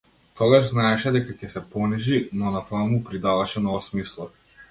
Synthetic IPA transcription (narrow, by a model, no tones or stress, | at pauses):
t̪ɔɡaʒznaɛʃɛd̪ɛkacɛsɛpɔniʒinɔnat̪ɔamupɾid̪avaʃɛnɔvasmislˠɔ